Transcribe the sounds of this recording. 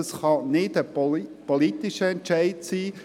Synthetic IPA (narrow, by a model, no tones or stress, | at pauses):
əsχɑnɪdəpɔlit̪ɪʃəɛnt͡ʃæɪtsiː